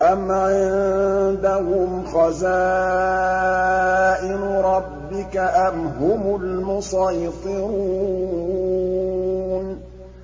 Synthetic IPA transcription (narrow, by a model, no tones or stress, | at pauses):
ʔamʕɪnd̪ahʊmxazaː | ʔɪnʊɾˤɑbːɪkaʔamɦʊmʊlmʊsɑjt̪ˤɨɾuu | n